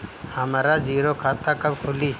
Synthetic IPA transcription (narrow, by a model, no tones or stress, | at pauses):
həmaɾad͡ʒiːɾokʰaːt̪akəbkʰʊliː